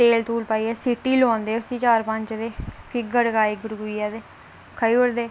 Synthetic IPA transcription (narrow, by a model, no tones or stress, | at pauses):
t̪eːlt̪uːlpaːiːɛːsiʈːiːlõːnd̪eːʊsĩːt͡ʃaːɾpə̃ɲt͡ʃd̪eːpʰɪk̚ɡəɽkaːiɡəɾɡʊiːɛːd̪eː | kʰəiːʊɽd̪eː